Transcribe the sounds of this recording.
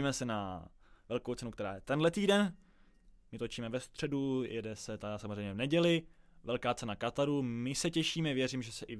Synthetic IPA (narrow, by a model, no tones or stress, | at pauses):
imɛsɛnavɛlkowt͡sɛnukt̪ɛɾaːjɛt̪ɛnlɛt̪iːdɛn | mɪt̪ot͡ʃiːmɛvɛfst̪r̝̥ɛdujɛ̰dɛsɛt̪adasamozrɛjmɲɛvnɛɟɛlɪvɛlkaːt͡sɛnakat̪aɾumɪsɛcɛʃiːmɛvjɛriːmʒɛsɛʔɪ